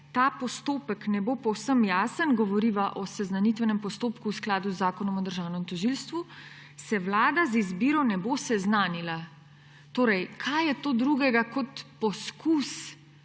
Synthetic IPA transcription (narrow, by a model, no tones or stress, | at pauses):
t̪aːpɔst̪oːpəknɛbopɔwsəmjaːsənɡɔʋɔɾiʋaʔɔsɛznanit̪ʋɛnɛmpɔst̪oːpkuːsklaːd̪uzːaːkɔnɔmɔd̪əɾʒaːwnɛmt̪ɔʒilst̪ʋu | sɛʋlaːd̪azizbiːɾɔnɛbosɛznaːnila | t̪oːɾɛjkʰajjɛt̪oːd̪ɾuɡɛɡakɔt̪pɔskus